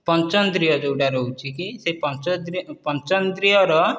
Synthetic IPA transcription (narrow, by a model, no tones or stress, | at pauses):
pɔnt͡ʃɔnd̪ɾijɔd͡ʒewɖaɾout͡ʃʰikisepɔnt͡ʃɔd̪ɾipɔnt͡ʃɔnd̪ɾijɔɾɔ